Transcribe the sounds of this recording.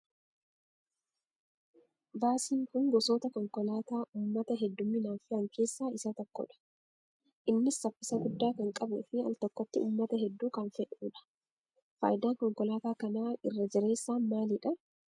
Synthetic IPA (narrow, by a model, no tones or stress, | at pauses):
baːsiːŋkʊŋɡɔsoːt̪ɐkɔŋkɔlaːt̪aːʔuːmːɐt̪ɐɦɛd̪ːʊmiːnaːfɪɐŋke̞ːsːaːɪsɐt̪ɔkːɔ̰ᶑɐ̥ | ʔɪnːɪsːɐfːɪsɐɡʊd̪ːaːkɐŋkʼɐbɛfɪɐ̰lt̪ɔkːɔt̪ːɪuːmːɐt̪ɐɦɛd̪ːuːkɐnfɛᶑuːᶑɐ̥ | fa̰ːjɪd̪aːŋkɔŋkɔlaːt̪aːkɐnaːɪrːɐd͡ʒɪɾe̞ːsːaːnmaːlɪᶑɐ